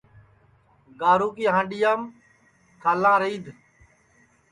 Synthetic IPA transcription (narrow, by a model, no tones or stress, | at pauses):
ɡaːɾuːkiːɦãːɳɖiːjaːm | t̪ʰalãːɾiːd̪